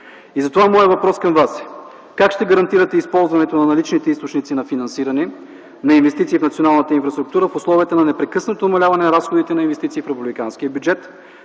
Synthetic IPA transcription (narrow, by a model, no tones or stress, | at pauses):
izɐt̪ovamɔjəvɐpɾɔskɐmvas | kakʃt̪ɛɡɐɾɐnt̪iɾɐt̪ɛispɔlˠzvɐnɛt̪onɐnɐlit͡ʃnit̪ɛist̪ot͡ʃnit̪sinɐfinɐnsiɾɐnɛ | nɐinvɛst̪it̪siːfnɐt̪sionalˠnət̪əinfɾɐst̪ɾʊkt̪uɾəfʊslˠɔviət̪ənɐnɛpɾɛkɤsnot̪onɐmɐlʲavɐnɛnɐɾasxod̪it̪ɛnɐinvɛst̪it̪iːfɾɛpublikansk̟iəbʲjud͡ʒɛt̪